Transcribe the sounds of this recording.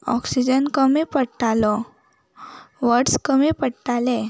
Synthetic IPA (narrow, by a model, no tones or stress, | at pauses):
ɔ̰ksid͡ʑənkəmipəɽʈalɔ | ʋəɽskəmipəɽʈalɛ